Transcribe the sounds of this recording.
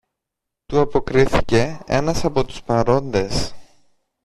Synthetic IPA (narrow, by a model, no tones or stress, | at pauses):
t̪uɐpo̞kɾiθice̞ḛnɐsɐpo̞t̪u̥spɐɾo̞nd̪e̞s